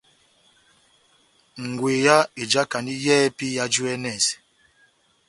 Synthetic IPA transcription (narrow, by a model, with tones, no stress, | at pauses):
ŋ̩˨ɡwe˨ja˦e˨d͡ʒa˦ka˨ndi˦jɛ˦pi˦ja˦d͡ʒu˦ɛ˦nɛ˨s